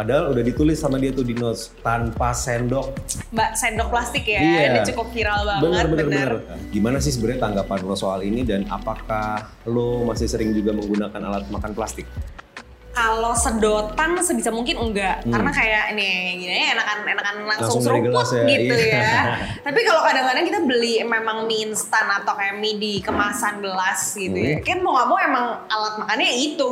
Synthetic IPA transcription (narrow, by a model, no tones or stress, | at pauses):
ʔadaɦaludahdit̪ulɪsːamadiat̪ʊdinɔs | t̪anpasɛndɔk̚basɛndɔk̚plast̪ɪkjaijadit͡ʃukʊp̚hiɾalbabənərbənarnbənarɡimanas̬ɪhsəbəɾt̪aŋɡapanlosoalinidana̰pakah | lomasɪhsəɾɪŋd͡ʒuɡaməŋɡunakana̰lat̪̚makanplast̪ɪk̚ | kalosədot̪ansəbisamuŋkɪnəŋɡaʔkarənakajaʔniɡinaɲaenakanenakanlaŋlaŋsʊsʊŋauiɡəlasjaɡiuja | t̪apikalokadaŋkadaŋkit̪abəlimemaŋminst̪anat̪awkajaʔmidikəmasanbəlasɡiujakanmoŋabɔŋemaŋalat̪̚makanɲait̪u